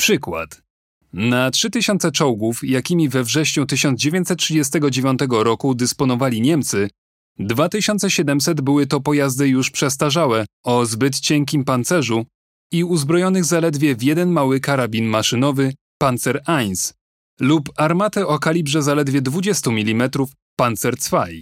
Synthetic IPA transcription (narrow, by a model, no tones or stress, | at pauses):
pʂɘkwa̰t̪ | natʂɘt̪ɘɕɔnt̪sɛt͡ʂɔwɡufjakʲimʲivɛvʐɛɕɲut̪ɘɕɔnd̪d͡ʑevʲjeɲt̪sɛt̪̚tːʂɘd͡ʑɛs̬t̪ɛɡɔd͡ʑevʲjɔ̃nt̪ɛɡɔɾɔkud̪ɘspɔnɔvalʲiɲɛmt̪sɘ | d̪vat̪ɘɕɔnt̪sɛɕɛd̪ɛmtsɛd̪bɘwɘt̪ɔpɔjazd̪ɘjuʂpʂɛst̪aʐawɛɔzbɘt̪t͡ɕɛŋkʲimpant̪sɛʐu | iuzbɾɔjɔnɘɣzalɛd̪vʲjɛvʲjɛd̪ɛnmawɘkaɾabʲinmaʂɘnɔvɘ | pant̪sɛɾajns | lupaɾmat̪ɛʔɔkalʲibʐɛzalɛd̪vʲjɛd̪vud͡ʑɛst̪umʲilʲimɛt̪ɾuf | pant̪sɛɾt̪sfaj